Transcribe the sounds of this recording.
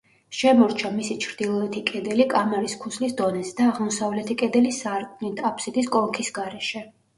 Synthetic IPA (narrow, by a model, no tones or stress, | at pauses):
ʃɛmɔɾt͡ʃʰamisit͡ʃʰɾd̪̥ilˠɔɛt̪ʰikʼɛd̪ɛlikʼamɛɾiskʰuslisd̪ɔnɛsd̪aːʁmɔsavlɛt̪ʰikʼɛd̪ɛlisaɾkʼnit̪ʰapʰsid̪ʼiskʼɔlkʰisɡaɾɛʃɛ